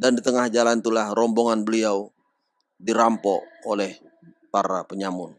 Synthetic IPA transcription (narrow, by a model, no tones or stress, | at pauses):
dandit̪əŋahd͡ʒalant̪ulahrɔmboŋanbəliaw | diɾampɔolɛh | paɾapəɲamʊn